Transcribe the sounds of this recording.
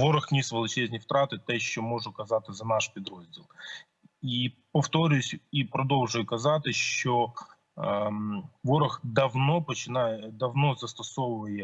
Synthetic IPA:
ʋɔɾɐxnʲisʋelˠɐt͡ʃɛzʲnʲift̪ɾɑt̪ɪt̪ɛʃt͡ʃɔmɔʐʊkɐzɑt̪ɪzɐnɑʃpʲid̪ɾɔzʲdʲilˠ | ipɔft̪ɔɾʲjʊsʲipɾɔd̪ɔlˠʒʊjʊkɐzɑt̪ɪʃt͡ʃɔ | ʋɔɾɐxd̪ɐʋnɔpɔt͡ʃɪnɑjd̪ɐʋnɔzɐst̪ɐsɔʋʊʋɐjɛ

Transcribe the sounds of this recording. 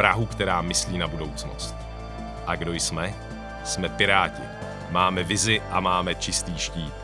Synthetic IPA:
ɾaɦukt̪ɛɾaːmɪsliːnabudo̞wt͡sno̞̰st̪̚ | ʔaɡdo̞jsmɛ | smɛpɪɾaːcɪ̰ | maːmɛvɪzɪʔamaːmɛt͡ʃɪst̪iːʃciː

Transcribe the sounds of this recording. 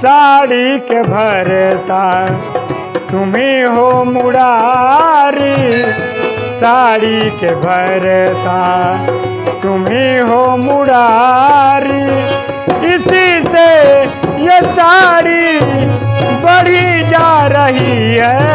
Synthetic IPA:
saːɽikebʱɐɾɛt̪a | t̪ʊmiɦomʊɽa | ɾi | saːɽikebʱɐɾɛːt̪a | t̪ʊmiɦomʊɽa | ɾi | ɪsise | jesaːɽi | bəɽ̤id͡ʒaːɾəɦiɦɛ

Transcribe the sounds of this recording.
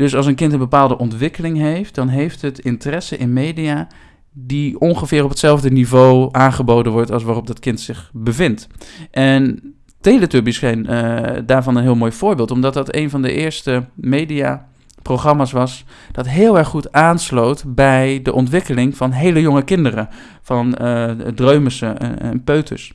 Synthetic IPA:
d̥ɵsɑlˠs̬ənkɪntənbəpaːlˠdəʔɔntʋɪkəlɪŋɦejft̚dɑnɦejftətɪntərɛsəʔɪnmejdia | diɔŋχəvɪːrɔpətsɛlˠvdənivowʔaːnχəbowdənʋɔɹtɑlˠs̬ʋaːrɔp̚dɑtkɪntsɪχbəvɪntʔɛn | tejlətøbisχejndaːɹvɑnənɦɪːlˠmoːjv̥ʊːɹbɪːlˠtɔmdɑtdɑtḛjnvɑndə̰ʔɪːɹstəmejdia | proχrɑmaːsʋɑs | d̥ɑtɦɪːlˠɛɹχutaːnslowtbɛjdəʔɔntʋɪkəlɪŋvɑnɦejləjɔŋəkɪndərə | fɑndrøɥməsə̰npøːtʰə̰s

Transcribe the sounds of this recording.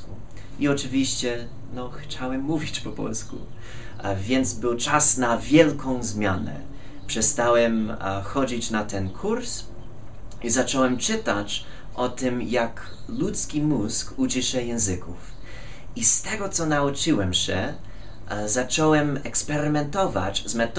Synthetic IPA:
iɔt͡ʂɨvʲiɕt͡ɕɛ | nɔxt͡ɕawɛmːuvʲit͡ɕpɔpɔ̰lskṵ | vʲjɛnd̪zbɘwt͡ʂasnavʲjɛlkɔ̃w̃zmʲjanɛ̰ | pʂɛst̪awɛmxɔd͡ʑit͡ɕnat̪ɛnkʰuɾs | izat͡ʂɔwɛmt͡ʂɘt̪at͡ɕ | ʔɔt̪ɪmjak | lut̪skʲimuskut͡ɕiʂɛjɛ̃zɘkuf | ist̪ɛɡɔt̪sɔnaut͡ʂɘwɛmɕɛ | zat͡ʂɔwɛmɛkspɛɾɘmɛnt̪ɔva̰t͡ɕzmɛt̪

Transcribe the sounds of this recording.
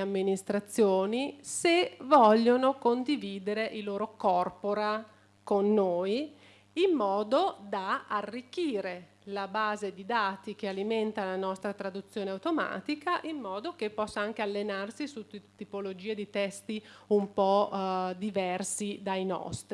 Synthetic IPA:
amːinist̪ɾat̪sːjoːnisevɔʎːonokond̪iviːd̪eɾeʔiloːɾokɔrpoɾa | konːoːj | imːɔːd̪od̪aarːikːiːɾe | labaːzed̪id̪aːt̪ik̟ealiment̪alanɔst̪ɾat̪ɾad̪ut̪sːjoːneawt̪oma̰ːt̪ikaʔimːɔːd̪ok̟epːɔsːaaŋk̟ealːenarsisut̪ːipolod͡ʒiːed̪it̪ɛst̪iumpɔd̪ivɛrsid̪ajnɔ̰st̪ɾi

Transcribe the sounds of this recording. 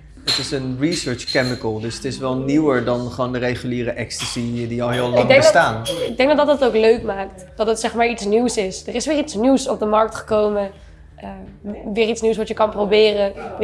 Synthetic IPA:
ətɪsənrisøːɹt͡ʃkɛmɪkəlˠdɵsətɪsʋɛlˠniwəɹdɑnχʋoːndəɾejχyliːɾəʔɛkstəsidiɑlˠɦɪːlɑɡŋdɛŋbəstaːnɪɡ̚dɛŋɡdɑddɑtowkløɥkmaːk̚td̥ɑtətsɛχmaːɹitsniwsɪsdərɪsʋɪːɹitsniwsɔb̚dəmɑɹk̚tχə̥kowmə | əʋɪːritsniwsʋɑtjəkɑnprowbɪːrə

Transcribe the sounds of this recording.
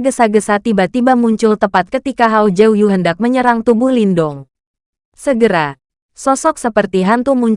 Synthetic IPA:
ɡəsaɡəsat̪ibat̪ibamuɲt͡ʃʊlt̪əpat̪̚kət̪ikaɦaud͡ʒɛujuɦəndak̚məɲəɾaŋt̪ubʊhlindɔŋ | səɡəɾa | sɔsɔksəpərt̪iɦant̪umuɲ

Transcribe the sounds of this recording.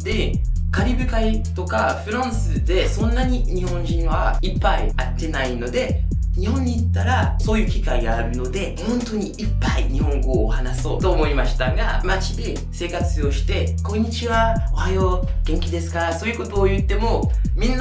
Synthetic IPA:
d̪̥e̞kaɾʲibɯ̟kait̪o̞kaɸɯ̟ɾõɰ̃sɨd̪e̞sõ̞nːaɲ̟iɲ̟ihõ̞ɲd͡ʑĩɰ̃βaipːaiat̪ːe̞naino̞d̪e̞ɲ̟ihõɲ̟ːiːt̪ːaɾaso̞ːjɯ̟ːkʲikaiɡaːɾɯ̟no̞d̪e̞hõ̞nt̪o̞ɲ̟iʔipːaiɲ̟iɦõ̞ŋɡo̞ːhanaso̞ːt̪o̞ːmo̞imaɕi̥t̪aɡamat͡ɕid̪e̞ | se̞ːkat͡sɨo̞ɕi̥t̪e̞kõ̞ɲ̟ːit͡ɕiβaohajoɡ̥ẽ̞ŋkʲid̪e̞sɨ̥kaɾaso̞ːjɯ̟kot̪o̞ːjɯ̟t̪ːe̞mo̞mʲĩnːa

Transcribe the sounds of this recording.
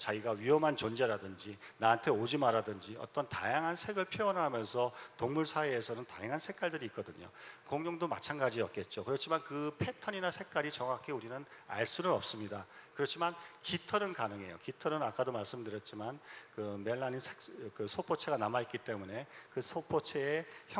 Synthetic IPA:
t͡ɕaiɡaɥiɦʌmɦant͡ɕond͡ʑeɾadɯnd͡ʑinaantʰe̞od͡ʑimaɾadɯnd͡ʑiʌ̰t͈ʌnta̰jaŋɦansʰe̞ɡɯɭpʰjoʌnɦamjʌnsʰʌtoŋmuɭsʰaeːsʰʌnɯnta̰jaŋɦansʰe̞k͈aɭdɯɾiːt̚k͈ʌdɯɲo̰koŋɲoŋdoma̰t͡ɕʰanɡad͡ʑiʌt̚k͈e̞t̚t͡ɕ͈okɯɾʌt͡ɕʰimankɯpʰe̞tʰʌɲinasʰe̞k̚k͈aɾit͡ɕʌŋakʰeuɾinɯna̰ɭs͈unɯɾʌp̚s͈ɯmɲidakɯɾʌt͡ɕʰimankitʰʌnɯnkanɯŋe̞̰jo̰kitʰʌnɯnak͈adomaɭs͈ɯmdɯɾjʌt̚t͡ɕ͈imankɯme̞ɭːaninsʰekkɯsʰopʰot͡ɕʰe̞ɡanamait̚k͈it͈e̞mune̞kɯsʰopʰot͡ɕʰe̞ːçjʌ

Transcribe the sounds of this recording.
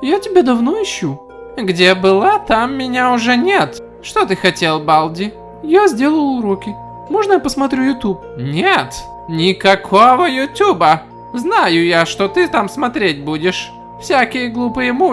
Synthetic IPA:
jatʲɪbʲed̪ɐvnoɪɕːu | ɡdʲebɨlˠat̪amːʲɪnʲaʊʐɛnʲet̪ | ʂt̪ot̪ɨxɐtʲelˠbalˠdʲɪ | jazʲdʲelˠəlˠʊɾokʲɪ | moʐnəjapəsmɐt̪ɾʲujʊt̪ʲup | nʲet̪ | nʲɪkɐkʰovəjʊtʲubə | znajʊjaʂt̪ot̪ɨt̪amsmɐt̪ɾʲetʲbudʲɪʂ | fsʲakʲɪjəɡlˠupɨjəmu

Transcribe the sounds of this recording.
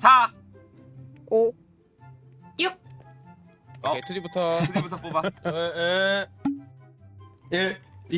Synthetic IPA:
sʰa | o | juk̚ | etʰud͡ʑibutʰʌɯd͡ʑibutʰʌpobaee | jei

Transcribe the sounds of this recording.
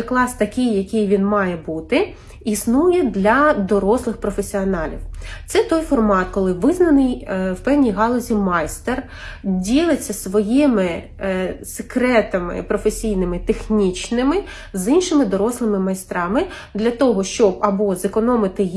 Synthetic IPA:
klˠɑst̪ɐkʲɪjːɐkʲɪjʋʲinmɑjɛbut̪ɪ | isnujɛd̪lʲɐd̪ɔɾɔslˠɪxpɾɔfesʲiɔnɑlʲḭwt̪sɛt̪ɔjfɔrmɑt̪kɔlˠɪʋɪznɐnɪjwpɛwnʲijɦɑlˠɔzʲimɑjst̪er | dʲilˠɪt͡sʲːɐsʋɔjimɪ | se̥kɾɛt̪ɐmɪ̰pɾɔfesʲijnɪmɪt̪exnʲit͡ʃnɪmɪ | zinʃɪmɪd̪ɔɾɔslˠɪmɪmɐjst̪ɾɑmɪ | d̪lʲɐt̪ɔɦɔʃt͡ʃɔbɐbɔzekɔnɔmɪt̪ɪ

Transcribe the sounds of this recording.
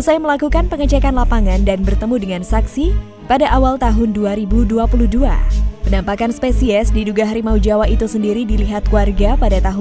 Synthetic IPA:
usajaməlakukanpəŋət͡ʃɛkanlapaŋandanbərt̪əmudəŋansaksi | padaʔawalt̪aɦʊnduaɾibuduapuluhdua̰mənampakanspesiɛsdiduɡaɦaɾimaud͡ʒawait̪usəndiɾidiliɦat̪̚kuarɡapadat̪aɦʊ

